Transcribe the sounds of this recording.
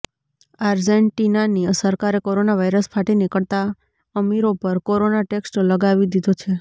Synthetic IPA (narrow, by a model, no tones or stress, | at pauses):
aɾd͡ʒeɳʈinaniəsəɾkaɾekoɾonaʋajɾəspʰaʈinɪkəɭt̪a | əmiɾopəɾkoɾonaʈeksʈləɡaʋid̪id̪ot͡ʃʰe